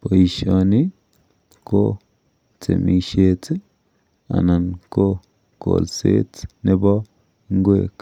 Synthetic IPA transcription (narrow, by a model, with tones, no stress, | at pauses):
po˨i˨ʃo˨ni˦ | ko˦ | t͡sḛ˨mi˧ʃe˧t͡se˦ | a̰˨na˨nko˦ | ko̰˨lsḛ˦t͡sne˦ba˦ | ŋ˦ɡwe˨k